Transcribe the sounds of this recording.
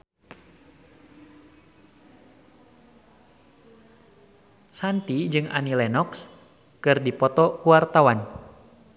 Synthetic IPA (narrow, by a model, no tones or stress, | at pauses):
sant̪id͡ʒɨŋʔa̰nilɛnɔks | kɨrdipɔt̪ɔkuwart̪awan